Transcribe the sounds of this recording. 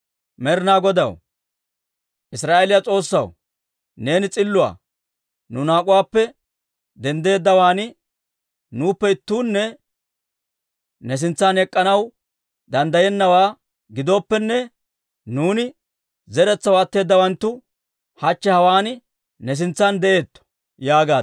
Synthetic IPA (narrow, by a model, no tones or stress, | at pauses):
mɛɾɪnaːɡɔd̪ɐw | ʔɪsɾaːʔelɪjat͡sʼo̞ːsːɐ̰w | ne̞ːnɪt͡sʼɪlːʊwa̰ː | nʊnaːkʼʊwaːpːɛ | d̪ɛnd̪e̞ːd̪ːɐwaːnɪ | nuːpːɛɪt̪ːuːnːɛ | nɛs̬ɪnt͡sːanɛkʼːɐnɐw | d̪ɐnd̪ɐjɛnːɐwaː | ɡɪd̪o̞ːpːɛnːɛ | nuːnɪ | zɛɾɛt͡sːɐwɐt̪ːe̞ːd̪ːɐwɐnt̪ːʊ | hɐt͡ʃːɛhɐwaːn | nɛs̬ɪnt͡sːand̪ɛʔe̞ːt̪ːɔ̥ | jaːɡaː